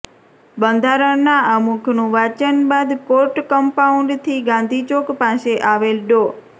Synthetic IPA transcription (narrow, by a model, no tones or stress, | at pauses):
bə̃nd̪ʱaɾənaəmukʰnũʋat͡ʃənbad̪koɾʈkəmpauɳɖt̪ʰiɡãnd̪ʱit͡ʃokpaseʔaʋelɖo